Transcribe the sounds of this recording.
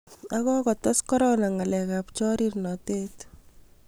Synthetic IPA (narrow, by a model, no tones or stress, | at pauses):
akɔkɔtɔskɔɾonaŋalɛkapt͡ʃɔɾirnɔtet